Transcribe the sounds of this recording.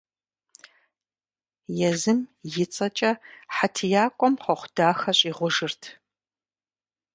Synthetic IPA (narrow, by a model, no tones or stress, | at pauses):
jɛzɨmjɪt͡sʼɐt͡ʃʼɐħatʰɨjaːkʷʼɔmqɐχʷʊd̥aːxɐɕʼiːʁʷʊʒɨrtʰ